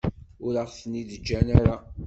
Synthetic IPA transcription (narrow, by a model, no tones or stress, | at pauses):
ʊɾəʁθəniðəd͡ʒːænaɾa